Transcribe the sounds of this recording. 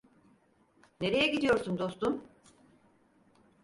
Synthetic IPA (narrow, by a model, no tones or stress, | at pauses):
ne̞ɾe̞jɛɟid̪ijo̞ɾsumd̪o̞st̪um